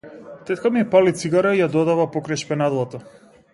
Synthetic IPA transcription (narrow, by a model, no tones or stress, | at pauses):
t̪ɛt̪kamiɛpalit̪siɡaɾaijad̪ɔd̪avapɔkɾajʃpɛnad̪lˠat̪a